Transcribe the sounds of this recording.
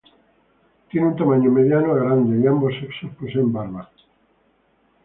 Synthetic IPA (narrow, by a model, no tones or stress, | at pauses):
t̪jeneũnt̪amaɲomeðjanoaɣɾand̪eiamboseksosposembaɾβa